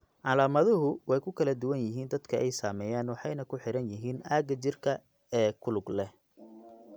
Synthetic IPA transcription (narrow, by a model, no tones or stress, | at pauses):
ʕɑlaːmɐðʊɦʊwɛjkʰʊkʰɐlɐd̪ʊwɐnjɪɦiːnd̪ɐd̪kʰɐʔɛjsaːmɛːjaːnwɑħɑjnɐkʰʊħɪɾɐnjɪɦiːnʔaːɡɐt͡ʃɪrkʰɐ | ɛːkʰʊlʊɡlɛ